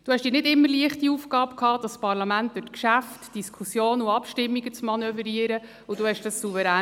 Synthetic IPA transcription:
d̥uːhɛʃd̥iːɾnɪdɪmːəɾliəχtiufkɑːpkʰhɑːd̥ɑsːpɑɾlɑmænt̚d̥øtkʃæftd̥iskʰusjoːnuɑpʃtɪmːiɡət͡smɑnœvəɾiəɾə | ʊd̥uːhɛʃd̥əssuvəɾæː

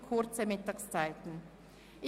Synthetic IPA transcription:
kʰʊʁt͡səmɪtɑkst͡saɪtn̩ | ʔɪ

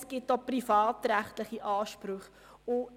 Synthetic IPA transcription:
sɡ̥ɪt̚doprifɑːtɾæχtləχiʔɑːʃpɾʊχ | ʊ

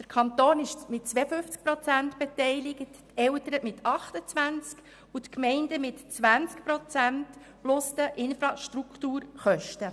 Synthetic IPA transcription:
d̥əɾkʰɑnt̪oːnɪʃmɪtt͡sʋɛːəfʏft͡sk̚pɾɔt͡sæntb̥ɛtɛɪlɪɡəttɛwtəɾəmɪtʰɑχtət͡sʋænt͡sk | ut̪kmɛɪndəmɪtt͡sʋænt͡skpɾɔt͡sænt | plʊst̪əʔɪnfɾɑʃtɾukχtuːɾχœʃtə

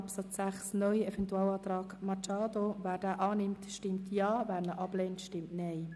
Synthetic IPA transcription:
ɑpsɑt͡sːæχsnœjəɛvɛntuɑːlɑːt̪ɾɑːɡmɑt͡ʃɑːd̪ovæːɾdæːʔɑːnɪmtʃtɪmtjɑːvæːɾnəʔɑb̥leːntʃtɪmtnɛɪ

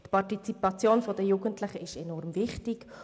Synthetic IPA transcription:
tpʰɑʁtit͡sipɑt͡sjoːnfodəjuːɡəntlɪχəɪʃɛnɔɾmvɪχtɪk

